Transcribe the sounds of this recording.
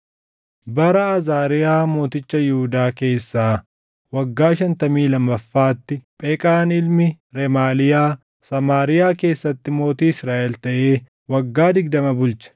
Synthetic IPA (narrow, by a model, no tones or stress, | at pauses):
bɐɾɐɐzaːɾɪjaːmo̞ːt̪ɪt͡ʃːɐjʊhʊd̪aːke̞ːsːaː | wɐɡːaːʃɐnt̪ɐmiːlɐmːɐfːaːt̪ːɪpʼeːkʼaːnɪlmɪ | ɾɛmaːlɪjaː | sɐmaːɾɪjaːke̞ːsːɐt̪ːɪmo̞ːt̪iːɪsɾaːʔɛlt̪ɐʔe̞ː | wɐɡːaːd̪ɪɡ̚d̪ɐmɐbʊlt͡ʃɐ̥